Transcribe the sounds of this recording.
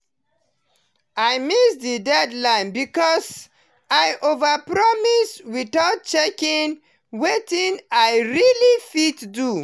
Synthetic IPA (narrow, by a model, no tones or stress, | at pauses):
ajmisdidɛdlãɪ̃nbikɔs | ajʔovəpɹɔmiswiθaʊt̚t͡ʃɛkĩn | wetĩnajɹilifitdu